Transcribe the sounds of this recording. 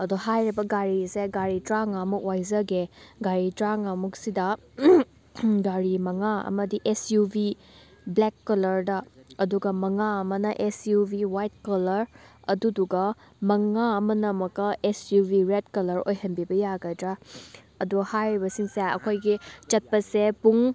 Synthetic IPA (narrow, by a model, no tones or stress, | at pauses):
ɐdoɦajɾibɐɡaɾiseɡaɾitɾaŋamuk̚wajzɐɡeɡaɾitɾaŋamuk̚sidɐ | ɡaɾimɐŋaɐ̰mɐdiʔesjubi | blekːɐlɐɾdɐɐduɡɐmɐŋaɐmɐnɐʔesjubiwajt̚kɐlɐɾɐduduɡɐ | mɐŋaɐmɐnɐmɐkːɐesjubʱiɾedkɐlɐɾo̰jɦɐnbibɐjaɡɐjdɾa | ɐduɡhajɾibɐsiŋseɐ̰kʰojɡit͡ʃɐt̚pɐsepuŋ